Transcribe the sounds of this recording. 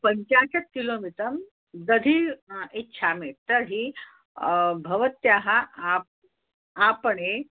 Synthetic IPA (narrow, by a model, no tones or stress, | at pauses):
pəɲt͡ɕaɕɐt̪̚kilomiʈəm | d̪əd̪ʱietːɕʰameʈ̚t̪əɾɦi | bʱɐʋət̪jaɦaʔap̚ | apəɳe